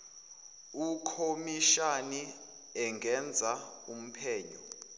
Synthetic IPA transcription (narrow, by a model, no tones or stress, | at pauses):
ukʰomiʃani | ɛŋɡʱɛnd͡zʱaum̩pʰɛːɲɔ